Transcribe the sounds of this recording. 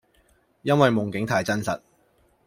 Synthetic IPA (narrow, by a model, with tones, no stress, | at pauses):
jɐ˥nwɐ˨jmʊ˨˩ŋkɪ˨˥ŋt̪ʰaː˨˩jt͡sɐ˥nsɐ̰˨t̚